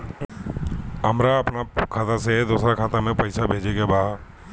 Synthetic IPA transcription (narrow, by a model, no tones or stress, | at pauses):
əmɾaəpnakʰaːt̪ased̪oːsɾakʰaːt̪amẽpəɪsabʱeːd͡ʒeɡabaː